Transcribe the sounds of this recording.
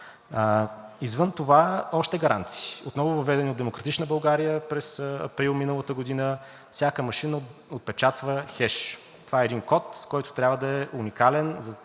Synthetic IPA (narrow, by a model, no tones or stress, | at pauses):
izvənt̪ovaɔʃt̪ɛɡɐɾʔa̰nt̪si̥ːot̪nɔvʊvɐvɛd̪ɛnʲiod̪ɛmokɾɐt̪it͡ʃnəbɐlˠɡaɾijəpɾɛsɐ̰pɾilˠminəlˠət̪əɡod̪inə | fsʲjakəmɐʃinəot̪̚pɛt͡ʃat̪vəxɛʃ | t̪ovaɛɛd̪inkɔt̪kɔjt̪ʊ̥t̪ɾʲabvəd̪ɐɛʔunikalɛnzɐ